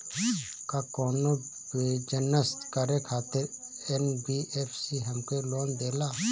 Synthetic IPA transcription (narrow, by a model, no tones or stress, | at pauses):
kakɔːno | bed͡ʒənəst̪kəɾekʰaːt̪ɪɾ | enbiːʔeːpʰsiɦəmkeloːnd̪eːlaː